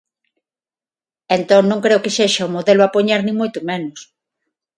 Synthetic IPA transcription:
ent̪õŋnõŋkɾeʊkeseʃaumoðelʊapoɲaɾnĩŋmojt̪ʊmẽnʊs

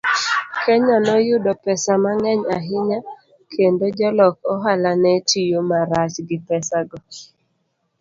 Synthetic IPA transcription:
kʰɛɲanɔjʊdɔpɛsamaŋɛɲaɦɪɲa | kʰendod͡ʒɔlɔkɔɦalanɛtijomaɾat͡ʃɡɪpɛsaɡɔ

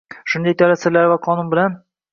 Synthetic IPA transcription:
ʃʊnd̪ɑjt̪ʰɒlæsɪɾlaɾvæqʰɒnunbɪ̆læn

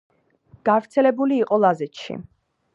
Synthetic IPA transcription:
ɡ̥avɾt̪sʰɛlɛbuliːqʼɔlˠazɛt̪ʃḭ

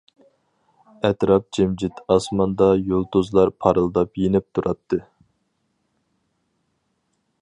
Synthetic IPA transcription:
ɛt̪ɾɑp̚d͡ʒɛmd͡ʒɪt̪ɑsmɑnd̪ɑjolˠt̪uzlˠɑɾpʰɑɾɨlˠd̪ɑpjenɪp̚t̪ʰuɾʔɑt̪ʰːɨ

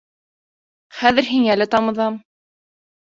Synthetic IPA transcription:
χæðɘ̆ɾɦiŋælɘt̪ɑmɤ̆ðɑm

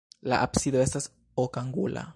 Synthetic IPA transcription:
laʔapsid̪oe̞stas | okaŋɡṵla̰

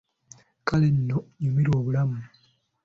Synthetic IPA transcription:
kale̞nːoɲumiɾwoːβulamu

